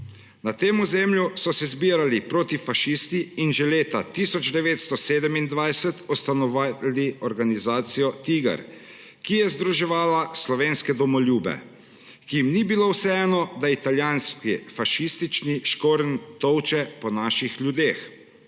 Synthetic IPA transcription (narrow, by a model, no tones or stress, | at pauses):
nat̪eːmuzeːmljusɔsɛzbiːɾalipɾoːt̪ifaʃist̪iːnʒɛleːt̪at̪isɔd͡ʒd̪ɛʋeːt̪st̪ɔseːd̪ɛmind̪ʋajsɛt̪ɔst̪anɔʋaliʔɔɾɡanizaːt̪sijɔt̪iːɡa̰ɾ | kijɛzd̪ɾuʒɛʋaːlaslɔʋeːnskɛd̪ɔmɔlʲjuːbɛ̰ | kijimnibilowsɛɛːnɔd̪ait̪aljaːnskifaʃist̪it͡ʃniʃkoːɾənt̪ɔwt͡ʃɛpɔnaːʃixlʲjud̪eːx